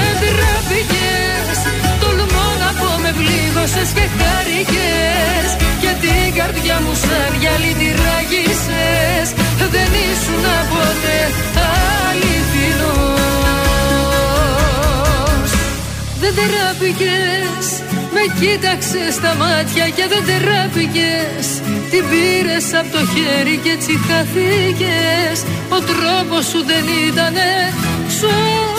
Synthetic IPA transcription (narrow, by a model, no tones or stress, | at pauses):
end̪iɾɐpice | s | t̪o̞lumonɐpome̞vliɣo̞sescextɐɾice | scet̪iɡɐɾt̪ʝɐmusɐnʝɐlit̪iɾɐʝis | e | sðe̞nisunɐpot̪e | ɐlit̪ino | s | ðend̪eɾɐpices | me̞cit̪ɐkse̞st̪ɐmɐt̪çɐce̞ðend̪eɾɐpice̞s | t̪ibiɾe̞sɐpot̪o̞çeɾicet͡sikɐθices | o̞t̪ɾo̞po̞sːuðe̞nit̪ɐne̞su